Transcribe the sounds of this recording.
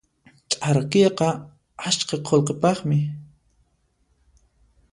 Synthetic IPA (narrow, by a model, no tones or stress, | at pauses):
t͡ʃʼaɾakeqɑ | at͡ʃqɑqʰolqepɑχmɪ